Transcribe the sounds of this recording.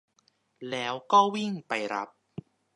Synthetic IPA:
lɛː˦˥wkɔː˥˩wi˥˩ŋpa˧jɾa̰˦˥p̚

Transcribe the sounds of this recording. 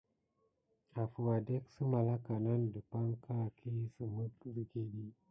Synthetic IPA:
a˨fu˨wa˨de˦ksə˦ma˨la˦ka˨na˦ndə˨pa˦ŋka˦˨kʰi˦sə˨mə˦kzi˨ɡe˨ɗi˦

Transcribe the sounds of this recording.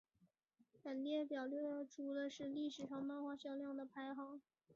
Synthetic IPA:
pə˨˩nljɛ˥˩pjɑ˨˩ʊlɥɛ˥˩d̪ə˥˩ʈ͡ʂʰu˧˥lə˧ʂɻ̩˥˧li˥˩ʂɻ̩˨˩ʂɑ˥˧ŋmɑ˥˧xwa˥ɕjɑ˥˧ŋljɑ˥˩ŋd̪ə˩pʰa˧˥ɪxɑ˨˩˦ʊ

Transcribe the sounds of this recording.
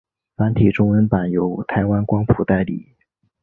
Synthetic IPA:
fa˧˥nt̪ʰi˨˩ʈ͡ʂʊ˥ŋə˧˥npa˨˩njo˧˥ʊt̪ʰa˧˥ɪwa˥nkwɑ˥ŋpʰu˨˧˩t̪a˥˩ɪlḭ˨˩˦

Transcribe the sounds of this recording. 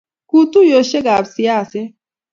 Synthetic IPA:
ku˦t̪u˦jo˨ɕe˦ɡaːbsijaː˦se˦

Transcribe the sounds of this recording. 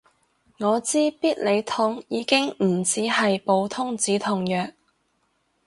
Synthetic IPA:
ŋɔː˨˧t͡siː˥piː˥t̚le˨˧jt̪ʰʊ˥ŋjiː˨˧kɪ˥ŋm̩˨˩t͡siː˨˥hɐ˨jpo˨˧wt̪ʰʊ˥ŋt͡siː˨˥t̪ʰʊ˨ŋjœː˨k̚

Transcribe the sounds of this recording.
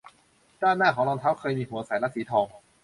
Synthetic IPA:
kaː˥˩nːaː˥˩kʰɔː˩˦lɔː˧nt̪ʰa˦˥w̚kʰɤː˧jmiː˧ɦu˨˩˦ɐsa˨˩˦jla˦˥siː˩˦t̪ʰɔː˧ŋ

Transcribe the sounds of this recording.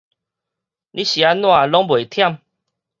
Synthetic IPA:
lʔĩ˦ɕi˨a˦nw̃ã˥˧˨lɔ˦ŋbwe˨t̪ʰja˥˨m

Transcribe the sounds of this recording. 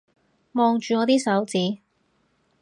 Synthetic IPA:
mɔː˨˧ŋt͡ʃyː˨˧ŋɔː˨˧t̪iː˥sɐ˨˥wt͡siː˨˥

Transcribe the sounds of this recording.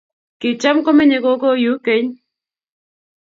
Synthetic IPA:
kɪ˨t͡ʃa˦mkɔ˦mɛ˦ɲe˨ko˦kɔ˦ju˨˦ke˨˦ɲ

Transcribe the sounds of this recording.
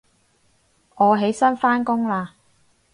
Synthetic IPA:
ɔː˨˧ɦe˨˥jsɐ˥nfaː˥nkʊ˥ŋlaː˧

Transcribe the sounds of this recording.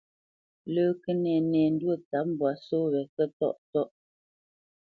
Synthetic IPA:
ləː˦kə˦nɛ˨nɛː˨n̩˦dwə˦˨ta˨˦p̚m̩˨bwa˨so˦ɣɛ˨kə˦tɔ̰˦ʔtɔ˦˨ʔ

